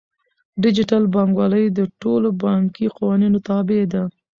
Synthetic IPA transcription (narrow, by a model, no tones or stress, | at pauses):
ɖɪd͡ʒɪʈalbɑŋɡwɑləjd̪əʈolobɑŋkiqawɑninot̪ɑbed̪a